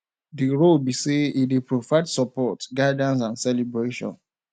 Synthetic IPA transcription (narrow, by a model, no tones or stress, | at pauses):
diɹolbiseidipɹovaɪdsɔpɔtɡaɪdãns̬ãnsɛlibɹeʃɔ̰̃n